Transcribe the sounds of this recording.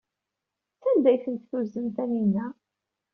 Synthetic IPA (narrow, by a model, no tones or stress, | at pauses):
t͡sænd̪æjθənt̪θuzənt̪æninæ